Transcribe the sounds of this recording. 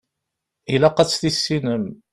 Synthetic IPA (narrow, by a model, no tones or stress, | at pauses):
ilæqɑt͡sːθisːinəm